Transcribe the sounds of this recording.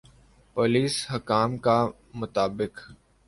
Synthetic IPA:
poːliːshəkaːmka | mʊt̪aːbɪk

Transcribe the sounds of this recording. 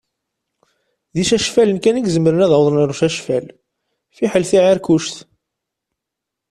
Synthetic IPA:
ðiʃæʃfælənkæniɡzəmːɾənæðɑwðˤnəɾˤuʃæʃfæl | fiħəlθiʕaɾkuʃθ

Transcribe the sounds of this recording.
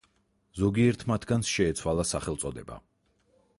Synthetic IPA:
zɔɡiɛɾt̪ʰmat̪ʰɡansʃɛːt̪sʰwalˠasaχɛlˠsʼɔd̪ɛba̰

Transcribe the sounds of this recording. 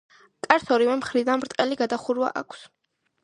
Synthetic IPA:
kʼaɾsɔɾivɛmχɾid̪anmɾt̪ʼqʼɛliɡad̪aχuɾwa̰ʔa̰kʷʰs

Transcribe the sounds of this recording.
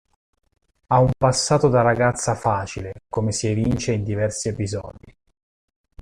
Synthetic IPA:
aumpasːaːt̪od̪aɾaɡat̪sːafaːt͡ʃilekomesivint͡ʃeind̪ivɛrsiepizɔ̰ːd̪i

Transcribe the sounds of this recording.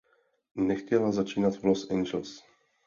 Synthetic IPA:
nɛxcɛlazat͡ʃiːnat̪vlosʔɛjnd͡ʒɛls

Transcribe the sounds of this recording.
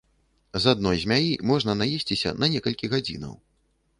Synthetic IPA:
zad̪̚nɔjzʲmʲajimɔʐnɐnajesʲt͡sʲisʲɐ̰nɐnʲɛkɐlʲkʲiɣad͡zʲḭnɐ̰w

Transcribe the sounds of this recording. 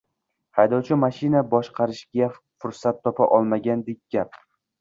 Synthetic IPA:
hajd̪ɒwt͡ʃʰɪmaʃɪnabɒʃqʰɑɾɪʃɡʲa | fʊɾsat̪ʰːɒpʰaʔɒlˠmaɡʲand̪ek̚ʲɡ̥ʲap̚

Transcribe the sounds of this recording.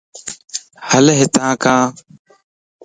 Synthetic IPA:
həlɦɪt̪ãːkãː

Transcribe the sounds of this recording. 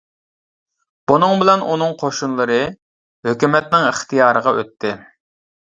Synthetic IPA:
b̥unɨŋbɪlɛnʔunɨŋqʰoʃunlˠɨɾɨ | høkʲymɛt̪nɪŋəχt̪ʰijɑːɾəʁɑʔøt̪ʰːɪ

